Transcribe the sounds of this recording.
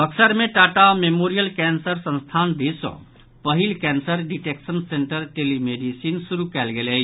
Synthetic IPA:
ɐksəɾmẽʈaːʈamemoːɾijəlkɛːnsəɾsə̃nst̪ʰaːnd̪isə̰̃ | pɐɦilkɛːnsəɾɖiʈeːksənsẽɳʈəɾʈeːlimeːɖisiːnsʊɾukɛːlɡele

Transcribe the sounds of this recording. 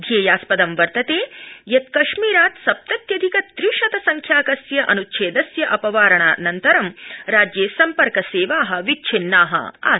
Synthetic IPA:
d̪ʱjeːjaːspɐd̪ɐmʋɐɾt̪ɐt̪eːjɐt̪kɐʂmiːɾaːt̪sɐp̚t̪ɐt̪jɐd̪ʱikɐt̪ɾiːʂɐt̪ɐsɐŋkʰjaːkɐsjɐʔɐ̰nutːt͡ʃʰeːd̪ɐsjɐʔɐpɐʋaːɾɐɳaːnɐnt̪ɐɾɐmɾaːd͡ʒjeːsɐmpɐɾkɐseːʋaːɦɐ̆ʋit͡ʃʰinːaːɦɐ̰a̰ː

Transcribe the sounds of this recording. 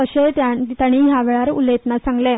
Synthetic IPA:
əɕet̪jat̪jaɽ̃iɦjaʋeɭaɾulet̪nasãŋɡle

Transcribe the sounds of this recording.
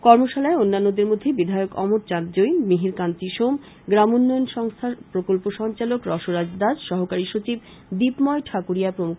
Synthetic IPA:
kɔɾmoʃalaeonːanːod̪eɾmod̪ʱːebid̪ʱaeokɔ̰moɾt͡ɕaɾd͡ʑoinmiɦiɾkant̪iʃom | ɡɾamonːɔjonʃɔŋst̪ʰapɾokolpoʃɔŋt͡ɕalokɾɔʃoɾad͡ʑd̪ad͡ʑʃɔɦokaɾiʃot͡ɕib̚ | d̪ipmɔeʈʰakuɾijapɾomukʰ

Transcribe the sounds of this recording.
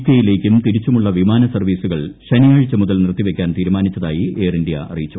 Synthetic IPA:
k̪jɐjile̞ːkʲːumt̪iɾit͡ɕːumuɭːɐʋimaːnɐsɐrʋiːsuɣɐɭɕɐnijaːɻit͡ɕːɐmuðɐlnirt̪ːiʋe̞kʲːaːnt̪iːɾumaːnit͡ɕːɐðaːjie̞ːrindijɐ̰ʔɐ̰rijit͡ɕːu

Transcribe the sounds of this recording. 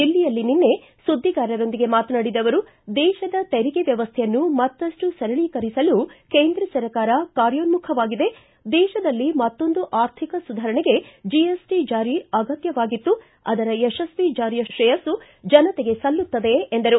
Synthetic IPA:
ilːijɐlːininːe̞ | sud̪ʱːiɡaːɾɐɾo̞nd̪iɡe̞maːt̪ɐnaːɽid̪ɐʋɐɾu | d̪ɛːʃɐd̪ɐt̪eɾiɡeʋjɐʋɐst̪ʰɛjɐnːumɐt̪ːɐsʈusɐɾɐɭiːkɐɾisɐlukeːnd̪ɾɐsɐɾɐkaːɾɐkaːɾjonmukʰɐʋaːɡid̪e̞ | d̪ɛːʃɐd̪ɐlːimɐt̪ːo̞nd̪uʔaːɾt̪ʰikɐsud̪ʱaːɾɐɳeɡe̞d͡ʒiesʈid͡ʒaːɾiɐɡɐt̪jɐʋaːɡit̪ːu | ɐ̰d̪ɐɾɐeʃɐsʋid͡ʒaːɾjɐʃɾɛjɐsu | d͡ʒɐnɐt̪eɡe̞sɐlːut̪ːɐd̪e̞ːnd̪ɐɾu

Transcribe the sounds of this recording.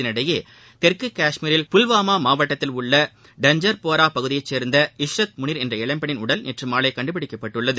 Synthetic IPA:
ɪnɪɽɐjeː | t̪ɛrkɯkːaːʂmiːɾɪlpʊlʋaːmaːmaːʋɐʈːɐt̪ːɪlʊɭːɐ | ɖɐɲd͡ʒɐɾpoːɾaːpɐɣɯðɪjɐɪt͡ʃːeːɾnd̪ɐɪʂɾɐt̪̚mʊɳɪɾɛndrɐɛɭɐmpɐɳɪnʊɽɐlnɛʈrɯmaːlɐɪkːɐɳɖɯp̬ɪɽɪkːɐpːɐʈːɯɭːɐðɯ

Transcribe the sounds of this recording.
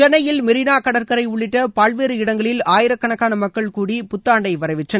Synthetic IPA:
t͡ʃɛnːɐjɪlmɪɾɪnaːkɐɽɐɾkɐɾɐɪʊɭːɪʈːɐpaːɭʋeːɾɯɪɽɐŋɡɐɭɪlaːjɪɾɐkːɐɳɐkːaːnɐmɐkːɐɭkuːɽipʊt̪ːaːɳɖɐɪʋɐɾɐɪʋɪʈrɐn

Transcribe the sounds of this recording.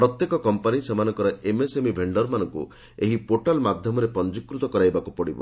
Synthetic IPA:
pɾɔt̪jekɔkɔmpanisemanɔŋkɔɾɔemesemibʱeɳɖɔɾmanɔŋkṵ | eɦipoʈalmad̪ʱjɔmɔɾepɔnd͡ʒikːɾut̪ɔkɔɾajbakupɔɽibɔ̰

